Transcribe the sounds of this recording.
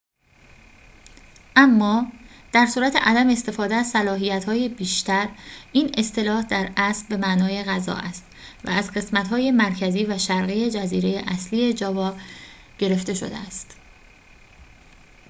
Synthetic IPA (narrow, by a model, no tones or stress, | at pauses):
ʔæmːɒːd̪̥æɾsuːɾæt̪ʰe̞̰ʔæd̪æmeːst̪e̞fɒːd̪eæzsælɒːɦijæt̪hɒːjebiːʃt̪ʰæɾiːne̞st̪e̞lɒːhd̪æɾæsbe̞mæʔnɒːje̞ɣæzɒ̰ːʔæst̪væ̰æzɢe̞smæt̪hɒːje̞mæɾcʰæziːvæʃæɾɣije̞d͡ʒæziːɾe̞jeʔæsliːe̞d͡ʒɒːvɒːb | ɟ̥e̞ɾe̞ft̪e̞ʃo̞̰d̪ḛæst̪